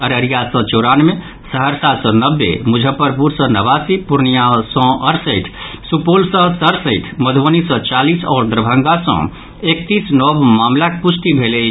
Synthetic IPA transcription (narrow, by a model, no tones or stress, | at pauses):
əɾəɾijasɔ̃t͡ʃoɾanme | səɦəɾsasɔ̃nəbːḛmud͡ʒʱəpəɾpuɾsə̃nəβasipuɾnijasɔ̃əɾsəɪʈ̪ʰsupolsə̃səɾsəɪʈ̪ʰməd̪ʱonisɔ̃t͡ʃalisɔ̰ːɾd̪əɾbʱə̃ŋɡasɔ̰̃ | ek̚t̪isnɔbmamlakpusʰt̪ibʱele